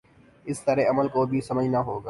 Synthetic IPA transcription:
ɪst̪əɾeɐməlkobʱisɐməd͡ʒnaɦoːɡaː

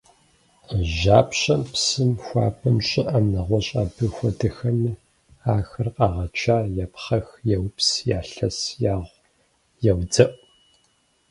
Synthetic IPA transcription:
ʒaːpɕʼɐmpsɨmxʷɑ̰ːpʰɐmɕʼɪʔɐmnɐʁʷɔɕʼaːbɨxʷɔdɨxɐmiː | aːxɨrqɑːʁɐt͡ʃʰaːjɛpχɐxjɛwpsjaːɬɐsjaːʁʷ | jɛwd͡zɐʔʷʼ

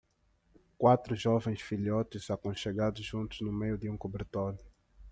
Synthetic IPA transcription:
kwat̪ɾʊʒɔvẽj̃sfiʎjɔt̪ɪzakõʃeɡad̪ʊzʒũnt̪ʊznʊmejʊd̪ɪũkobeɾt̪olʊ

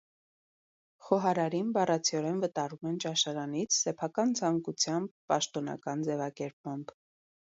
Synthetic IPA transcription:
χɔɦɑɾɑɾinbɑrɑt͡sʰiɔɾɛnvət̪ɑrumɛnt͡ʃɑʃɑɾɑnit͡sʰsɛpʰɑkɑnt͡sʰɑŋkut͡sʰjɑmb̚ːɑʃt̪ɔnɑ̰kɑnd͡zɛvɑkɛɾp̚mɑmb

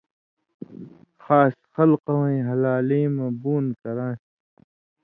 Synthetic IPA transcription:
xaːsxɐlqɐwẽɦɐlaːlẽːmɐ̃buːnkɐɾãːs

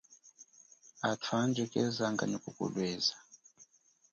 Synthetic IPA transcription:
atʰwand͡ʒɛkʼɛzaŋɡa̰ɲikukṵlwɛːza

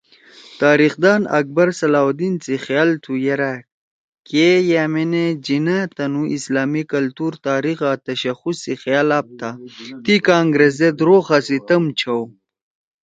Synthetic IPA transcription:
t̪aːɾixd̪ɑːnɐ̰k̚bɐɾsɐlaːwd̪int͡sixjaːlt̪ʰujeɾa | kejamened͡ʑinat̪ɐnuʔislaːmikɐlt̪uɾt̪aːɾixat̪ɐɕɐxusːixjaːlap̚t̪ʰat̪ikaːŋɡɾezed̪ɾoːxasit̪ɐmt͡ʃʰaw

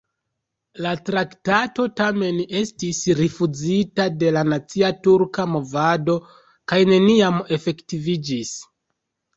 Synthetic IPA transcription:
latɾaktato̞tame̞ne̞stisɾifud͡zitade̞lanat͡siatuɾkamo̞vado̞ | kajne̞niame̞fe̞ktivid͡ʒis

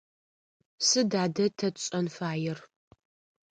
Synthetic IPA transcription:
sɨdaːdɐtʰɐɕʼɐnfaːjɪr

